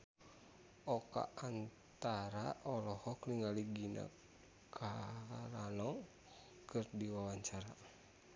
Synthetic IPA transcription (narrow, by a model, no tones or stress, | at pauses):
ʔɔka̰ant̪aɾaʔɔlɔhɔkliŋaliɡina̰ | kʰaɾanɔ | kɨrdiwawaɲt͡ʃaɾa